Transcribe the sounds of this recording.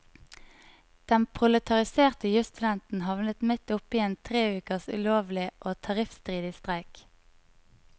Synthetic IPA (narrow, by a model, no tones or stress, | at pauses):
d̪̥ɛnpʰʁʊlət̪ʰɑʁɪseːʁt̪əjʉst̪ʉd̪ɛnt̪n̩hɑʋnət̪mɪt̪ʊpɪeːnt̪ʰʁeːʉːkəʁsʉ̰loːʋlɪʔoːt̪ʰɑʁɪfst̪ʁiːd̪ɪst̪ʁæɪk